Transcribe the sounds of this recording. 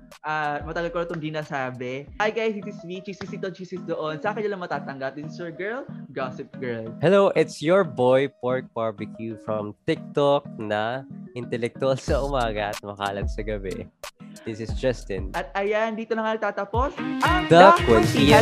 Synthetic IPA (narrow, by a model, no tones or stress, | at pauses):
ʔamɐt̪ɐɡɐlkoɾɐt̪oŋd͡ʒinɐsaːbɛajɡajsdɪsɪswit͡ʃiːsɪsɪt̪ot͡ʃiːsɪsd̪oʔonsɐʔaːkɛnɪlɐŋmɐt̪aːt̪ɐŋɡɐp̚d̪ɪsɪsjɔɹɡɛɹlɡasɪp̚ɡ̥ɛɹlhɛloʔɪt̪sjɔɹbojpɔɹk̚paɹbɪkʰjufɹɐmt̪ɪk̚t̪ɔk̚nɐʔɪnt̪ɛlɛk̚t̪ʊalsɐʔʊmaːɡɐʔɐt̪̚mɐka̰ɐlɐt̪̚sɐɡɐbɛ̰d̥̪ɪsɪsd͡ʒɐst̪ɪnʔɐt̪̚ɐjand̪iːt̪onɐŋanɐɡ̚t̪aːt̪ɐpo̞sɐd̪ɐkɛsɛ